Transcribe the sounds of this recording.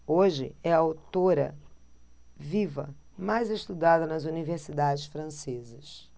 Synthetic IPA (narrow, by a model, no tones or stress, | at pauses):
oʒɪ̰ɛɐawt̪oɾɐ̰ | vivɐ̰majzeʃt̪ud̪ad̪ɐnɐzuniveɾsid̪ad͡ʒɪʃfɾɐ̃sezɐs